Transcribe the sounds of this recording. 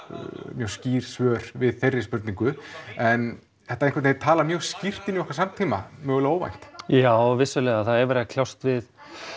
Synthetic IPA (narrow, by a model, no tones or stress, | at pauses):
mjœwsciːɾ̥svœːɾ̥vɪðθejrːɪspʏɾt̪niŋkʏɛn | θɛht̪aɾẽnŋkvat̪eɪɾt̪ʰaːlamjœːɣscir̥t̪ɪniɔhkvaɾsamt̪ʰiːma̰mœːɣʏlaoːwva̰jn̥t̪jaːwvɪsːʏlɛːɣaθaðɛɾvɛɾɣakʰl̥jawst̪vɪð